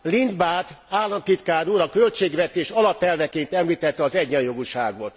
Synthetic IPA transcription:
lind̪baːt̪aːlːɒnt̪it̪kaːɾuɾɒkølt͡ʃeːɡʋɛt̪eːʃɒlɒpɛlvɛkeːnt̪ɛmliːt̪ɛt̪ːɛɒzɛɟːɛnjo̞ɡuʃa̰ːɡot̪

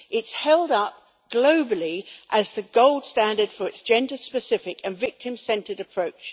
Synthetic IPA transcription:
ʔɪtshɛlˠdʌp̚ | ɡ̥loʊbəlˠiʔəzðɨɡoʊlˠd̥stæ̃ndəd̥fə˞ɨtsd̥ʒ̥ɛ̃ndəspɨsɪfɪkʰɨ̃nvɪk̚tʰɨ̃msɛ̃ntʰəɾɨpʰɹ̥əʊt͡ʃ

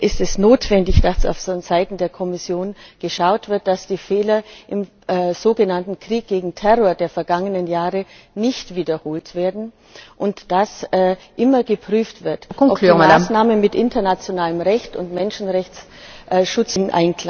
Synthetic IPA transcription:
ʔɪstɛsnoːtv̥ɛndɪçd̥asa̰ʊfsɔnzaɪtn̩deːɐkʰɔmɪsjoːnɡ̥əʃaʊtv̥ɪɐt̚d̥asd̥iːfɛːlɐʔɪmː | z̥oːɡənantn̩kʁ̥iːk̚ɡ̥eːɡŋ̩tʰɛʁoːɐdeːɐfɛɐɡaŋənənjaːʁə | nɪçtv̥iːdɐhoːltv̥eːɐdn̩ | ʔʊntd̥asɛːʔɪmɐɡəpʁ̥yːftv̥ɪɐtkɔʔɔmasnaːmənmɪtʔɪntɐnat͡sjonaːləmʁɛçtʊ̰ntmɛnʃn̩ʁɛçt͡s | ʔʃʊt͡sɪnʔa̰ɪnkla

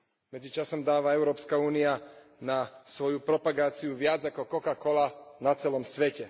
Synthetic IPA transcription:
mɛd͡zit͡ʃasɔmd̪aːʋaɛʊɾɔːpskauːnia | nasʋɔjupɾɔpaɡaːt͡siuʋjad͡zakɔkɔkakɔlanat͡sɛlɔmsʋɛcɛ

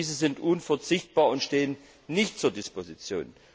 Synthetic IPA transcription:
iːzəzɪntʔuːnfɛɐt͡sɪçt̚b̥aːɐʊntʃteːənː | ɪçtt͡suːɐdɪspozit͡sjo̰ːn

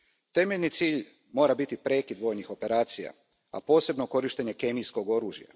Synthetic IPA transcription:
t̪e̞me̞ʎnit̪siːʎ | mo̞ːɾabit̪ipɾe̞kid̪ʋo̞ːjnixo̞pe̞ɾaːt̪sija̰ | a̰po̞ːse̞bno̞ko̞ɾiʃt̪e̞ɲe̞ke̞mijsko̞ɡo̞ɾuːʒja̰

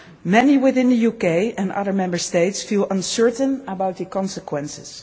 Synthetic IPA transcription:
mɛniwɪθɪ̃nðəjukeɪɛ̃nʌ̰ðə˞mɛ̃mbə˞steɪtsfilˠʔʌ̃nsɜɹtə̃nəbawt̪̚ðəkɔ̃nsəkwɛ̃nsɪz̥

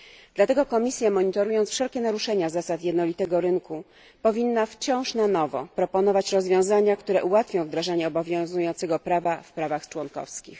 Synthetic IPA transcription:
d̪lat̪ɛɡɔkɔmʲisʲjamɔɲit̪ɔɾujɔntsfʂɛlkʲɛnaɾuʂɛɲazasat̪jɛd̪nɔlʲit̪ɛɡɔɾɘŋku | pɔvʲinːaft͡ɕɔ̃w̃ʂnanɔvɔ̰pɾɔpɔnɔvat͡ɕɾɔzvʲjɔ̃w̃zaɲakt̪uɾɛʔuwat̪fʲjɔ̃w̃vd̪ɾaʐaɲɛɔbɔvʲjɔ̃zujɔnt̪sɛɡɔpɾavafpɾavaxt͡ʂwɔnkɔ̰fskʲḭx

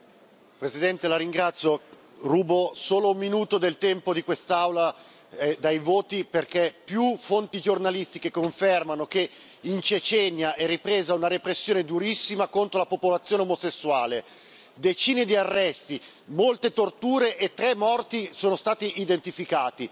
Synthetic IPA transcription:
pɾezid̪ɛnt̪elaɾiŋɡɾat̪sːjo | ruːbosoːloumːinuːt̪od̪elt̪ɛmpod̪ikwest̪awla | d̪ajvoːt̪iperkepjufont̪id͡ʒornalist̪ikekːoɱfermanok̟e | int͡ʃet͡ʃɛnːjaʔɛrːipɾeːzaunaɾepɾesːjoːned̪uɾisːimakont̪ɾolapopolat̪sːjoːneomosesːuaːle | d̪et͡ʃiːned̪iarːɛst̪i | molt̪et̪ort̪uːɾeʔet̪ːɾɛmːɔrt̪isoːnost̪aːt̪iʔːd̪ent̪ifikaːt̪i

